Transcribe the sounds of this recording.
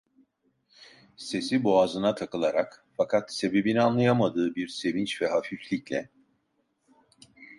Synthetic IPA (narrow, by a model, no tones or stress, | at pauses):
se̞siboazɯnat̪ʰakɯlˠaɾakfakʰat̪se̞be̞binianlˠajamad̪ɯːbiɾse̞vint͡ʃvɛɦafiflʲiclʲɛ